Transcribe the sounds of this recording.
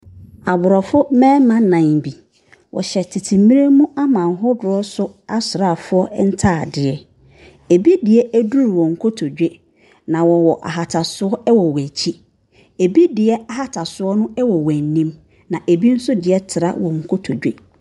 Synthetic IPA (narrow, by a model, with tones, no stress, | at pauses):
a˨bʊ˨ɾɔ˨fʊ˦mɛ̃ː˦mã˦nã˨ŋbi˨ | wʔɔ̰˨ɕɛ˨tʰi˨tʰi˨mĩ˦ɾe˦mũ˦a˦mã˨nɦʊ˦dʊ˨ɾɔ˦sʊ˦a˦sʊ˨ɾa˦˨fʊ˦ɔ˦n̩˦tʰaː˦˨dɪ˨ɛ˦ | e˨bi˦dɪ˨ɛ˦æ˦du˦ɾwɔ̃˨ŋ̩˨kʰo˦tʰo˨d͡ʑᶣe˦ | nã˨wɔ˨wɔ˨ʔa̰˨ɦa˨tʰa˨sʊ˦ɔ˦ɛ˦wɔ˨wæ˨t͡ɕʰi˦ | e˨bi˦dɪ˨ɛ˦a˨ɦa˦tʰa˨sʊ˦ɔ˦nʊ̃˦ɛ˦wɔ˨wæ˨n˨nːĩ˦m | nã˨ʔe˨bi˦n̩˦sʊ˦dɪ˨ɛ˦tʰɪ˨ɾa̰˦wɔ̃˨ŋ̩˨kʰo˦tʰo˨d͡ʑᶣe˦